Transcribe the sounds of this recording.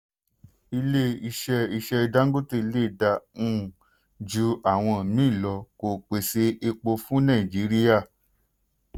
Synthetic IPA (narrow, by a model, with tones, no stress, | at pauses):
i˧le˦i˧ʃɛ˧i˧ʃɛ˧i˧da˦ŋ̩˦ɡo˦te˦˧i˧le˦˨da˧ũ˦˨ | d͡ʒu˧˦a˦˨w̃ɔ̃˧˨mĩ˦i˦˨lɔ˧ko˨k͡pe˨se˧˦i˧k͡po˧fũ˦nã˦˨i˨d͡ʒi˨˦ɾi˦ja˦˨